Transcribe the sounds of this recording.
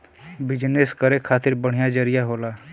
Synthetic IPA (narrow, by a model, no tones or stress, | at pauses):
bɪd͡ʒneskəɾekʰaːt̪ɪɾbəɽ̤ijad͡ʒəɾɪjaɦoːlaː